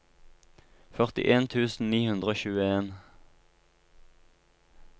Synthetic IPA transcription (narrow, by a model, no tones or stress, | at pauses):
fœʁt̪ɪ̰ʔeːnt̪ʰʉːsn̩niːhʉnd̪ʁəoːçʉːəeːn